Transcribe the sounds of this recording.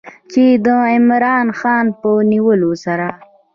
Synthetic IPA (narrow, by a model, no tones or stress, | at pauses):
t͡ʃed̪əɪmɾɑnxɑnpəniwəlosaɾa